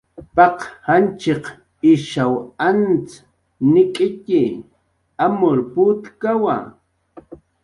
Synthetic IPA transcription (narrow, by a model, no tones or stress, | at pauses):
pɑqhant͡ʃeq | ɪʃawant͡s | nɪkʼɪkɪ | amʊɾput̪kawa̰